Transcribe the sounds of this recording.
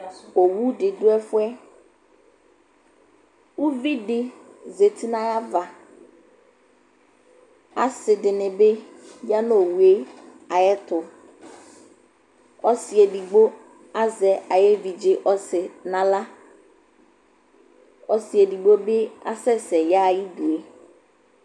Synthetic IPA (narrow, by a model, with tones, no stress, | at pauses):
o˨wu˦ɖɪ˨ɖʊ˦ɛ˦fʊ˦ɛ˦ | wu˦vi˦ɖɪ˨ze˨t̪ʰi˦nã˦ja˦va˨ | a̰˨sɪ˨ɖɪ˨nɪ̃˨be˦ja˦no˨wu˨e˦ | a˨jɛ˦t̪ʊ˨ | ɔ˦si˨ɛ˨ɖi˨ɡ͡bo˦ | a˦zɛ˨ʔa˨jɛ˦vi˨d͡ʒɪ˦ʔɔ˦sɪ˨nã˨la˦ | ɔ˦si˨e˨di˨ɡ͡bo˦be˦a̰˦sɛ˦sɛ˨ja˦˨ji˦du˨e˨